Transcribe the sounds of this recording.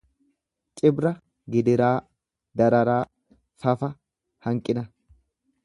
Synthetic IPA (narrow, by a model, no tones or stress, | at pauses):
t͡ʃʼɪbɾɐ | ɡɪd̪ɪɾaː | d̪ɐɾɐɾaː | fɐfɐ | hɐŋkʼɪnɐ